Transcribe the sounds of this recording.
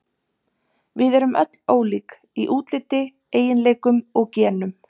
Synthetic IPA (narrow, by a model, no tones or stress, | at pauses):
vɪðɛɾʏmʔœ̰t̪l̥oːwliːk | iʔuːt̪lɪt̪ːɪ | eːjɪnleːjkʏmɔɣcɛːnʏm